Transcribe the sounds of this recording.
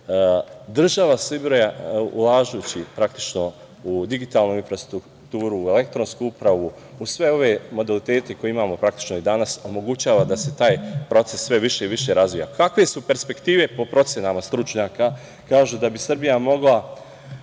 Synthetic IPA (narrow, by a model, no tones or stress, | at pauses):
d̪r̩ʒaʋasibɾojaṵlˠaːʒujut͡ɕipɾakt̪i̥t͡ʃno̞ | ud̪iɡit̪aːlˠnuinfɾast̪ɾuk | t̪uːɾue̞le̞k̚t̪ɾo̞nskuupɾaʋu | usʋe̞o̞ʋe̞mo̞d̪alit̪e̞ːt̪e̞ko̞jeimaːmo̞pɾakt̪i̥t͡ʃno̞id̪anaso̞mo̞ɡut͡ɕaːʋad̪ase̞t̪aːjpɾo̞t̪se̞sːʋe̞ʋiʃe̞iʋiʃe̞ɾazʋija̰kakʋe̞supe̞ɾspe̞kt̪iːʋe̞po̞pɾo̞t̪sʲjenamast̪ɾut͡ʃɲaːka | kaːʒud̪abisr̩bijamo̞ɡlˠa